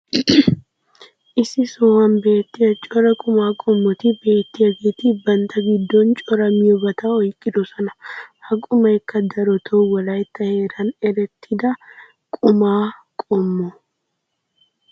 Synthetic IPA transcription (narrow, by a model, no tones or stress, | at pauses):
ʔɪsɪsoːhɐnbe̞ːt̪ːɪjɐt͡ʃʼɔɾɐkʼʊmaːkʼɔmːɔt̪ɪbe̞ːt̪ːɪjɐɡet̪ɪbɐnt̪ɐɡɪd̪ːɔnt͡ʃʼɔɾɐmɪjɔbɐt̪aɔjkʼːɪd̪ɔsɔnɐhɐkʼʊmɐjkːɐd̪ɐɾɔt̪ʰɔwɔlɐjt̪ːɐheːɾɐnɛɾɛt̪ʰːɪd̪ɐ | kʼʊmaːkʼɔmːɔ